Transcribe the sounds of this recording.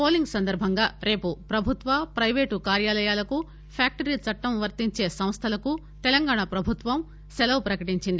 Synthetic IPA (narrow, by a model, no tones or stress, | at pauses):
poːliŋɡsɐnd̪ɐɾbʱɐŋɡaːɾe̞ːpupɾɐbʱut̪ʋɐpɾɐjʋeːʈukaːɾjaːlɐjaːlɐku | pʰjaːk̚ʈɐɾiːt͡sɐʈːɐmʋɐɾt̪iɲt͡ʃeːsɐmst̪ʰɐlɐku | t̪ɛlɐŋɡaːɳapɾɐbʱut̪ʋɐm | sɛlɐwpɾɐkɐʈiɲt͡ʃind̪i